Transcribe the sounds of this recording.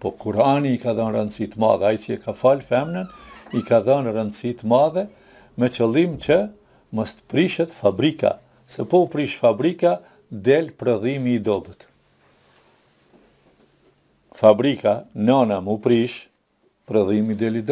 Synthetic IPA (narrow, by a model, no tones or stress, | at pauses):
pɔkuɾaniːkaðɔnrənd̪sit̪əma̰ðɛajt͡ʃiɛkafalfɛmnənikaðɔnrənd̪sit̪əmaðɛ | mɛt͡ʃəlˠimt͡ʃə | mɔst̪ə̥pɾiʃɛt̪fabɾika̰ | sɛpɔupɾiʃfabɾika | d̪ɛlpɾɛðimiːd̪ɔbət̪ | fabɾikananamupɾiʃ | pɾɛðimid̪ɛlid̪